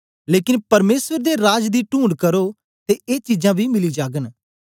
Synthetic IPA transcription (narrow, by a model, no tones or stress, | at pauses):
leːkɪ̃npɐɾmeːswəɾd̪eɾaːd͡ʒd̪iːʈũːɳɖkɐɾoː | t̪eeːt͡ʃiːd͡ʒãːbʱimɪliːd͡ʒaːɡən